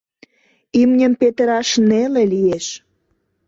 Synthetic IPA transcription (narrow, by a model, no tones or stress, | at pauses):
imnʲəmpet̪əɾɑʃnelelijeʃ